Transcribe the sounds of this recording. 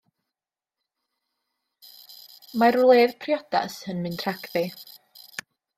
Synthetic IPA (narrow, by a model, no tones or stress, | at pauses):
marlˠeːðpʰrjɔda̰shənmɨntʰraɡðɪ